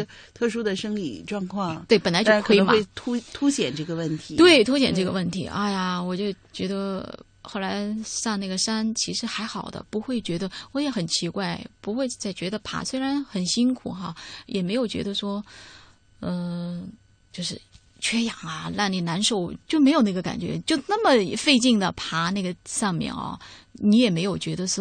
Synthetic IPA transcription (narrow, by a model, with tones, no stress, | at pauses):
t̪ʰɤ˥˩ʂu˥d̪ə˨ʂə˥ŋlḭ˨˩ʈ͡ʂwɑ˥˧ŋkʰwɑ˥˩ŋwe˥˩ɪpə˨˩nla˧˥ɪt͡ɕa˥˧˥kʰwe˥˧ma˥e˥˩ɪt̪ʰu˥t̪ʰu˥ɕjɛ˨˩nʈ͡ʂɤ˥˩ɡə˩wə˥˩nt̪ʰi˧˥t̪we˥˩ɪt̪ʰu˥ɕjɛ̰˨˩nʈ͡ʂɤ˥˩ɡə̰˩wə˥˩nt̪ʰḭ˧˥ʔa̰˥ɪja˩wɔ˨˩t͡ɕjo˥˩ʊt͡ɕɥɛ˧˥d̪ə˧ | xo˥˩ʊla˧˥ɪsɑ˥˧ŋna˥˩ɡə˩ʂa˥nt͡ɕʰi˧˥ʂɻ̩˧˥xa˧˥ɪxɑ˨˩ʊd̪ə̰˦pu˧˥xwe˥˩ɪt͡ɕɥɛ˧˥d̪ə˧wɔ˧˥jɛ˧˥xə˨˩nt͡ɕʰi˧˥kwa˥˩ɪpu˧˥xwe˥˧ɪt͡sa˥˩ɪt͡ɕɥɛ˧˥d̪ə˧pʰa̰˧˥swe˥ɪɻa˧˥nxə˨˩nɕi˥ŋkʰu˨˩xɐ˧jɛ˨˩me˧˥ɪjo˨˩ʊt͡ɕɥɛ̰˧˥d̪ə˧ʂwɔ˥ | ə˧ | t͡ɕjo˥˧ʊʂɻ̩˥˩ | t͡ɕʰɥɛ˥jɑ˨˩ŋɐ˦la˥˩nni˨˩na˧˥nʂo˧˩ʊt͡ɕjo˥˩ʊme˧˥ɪjo˨˩ʊna˥˩ɡə˧ka̰˨˩nt͡ɕɥɛ̰˧˥t͡ɕjo˥˧ʊna˥˩mə˩˧fe˥˧ɪt͡ɕi˥˩ŋd̪ə˩pʰa˧˥na˥˩ɡə˩ʂɑ˥˧ŋmjɛ̰˥˩nɐ̰˧˩ni˧˥jɛ˨˩me˧˥ɪjo˨˩ʊt͡ɕɥɛ˧˥d̪ə˧ʂ